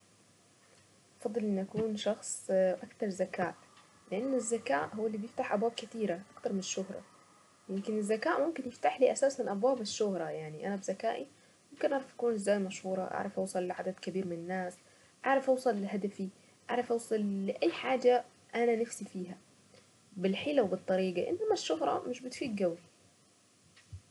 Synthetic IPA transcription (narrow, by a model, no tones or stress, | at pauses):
ʔɑfɑd̪ˤːɨlʔɪnʔakuːnʃɑxsˤʔakt̪ɑɾˤzakaːʔ | lɪʔanːɪzːakaːʔhʊwːalːiːbjɪft̪aħʔabwaːb̚kat̪iːɾaʔakt̪ɑɾˤmɪnɪʃːʊhɾˤɑ̰ | jɪmkɪnɪzːakaːʔmʊmkɪnjɪft̪aħliːʔasaːsɪnʔabwaːbɪʃːʊhɾˤɑjaʕniʔanabzakaːʔi | mʊmkɪnʔaʕɾˤɑfʔḁkuːnɪzːaːjmaʃhuːɾˤɑʔa̰ʕɾˤɑfʔɑwsˤɑlːɪʕad̪ad̪kabiːɾmɪnɪnːaːs | ʔaʕɾˤɑfʔɑwsˤɑlɪɦad̪afi | ʔa̰ʕɾˤɑfʔɑwsˤɑlːɪʔajːħaːd͡ʒa | ʔananɪfsifiːɦa | bɪlħɪːlawbɨt̪ˤːɑɾiːɡaʔɪ̰nːamaʃːʊɦɾˤɑ̰mɪʃbɪt̪fiːɡɡawi